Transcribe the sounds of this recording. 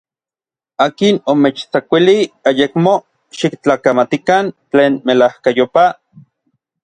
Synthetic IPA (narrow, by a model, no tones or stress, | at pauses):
aːkinomet͡ʃt͡sakʷiliajekmo | ʃikt͡ɬaːkamat̪ikant͡ɬeːnmelahkajopa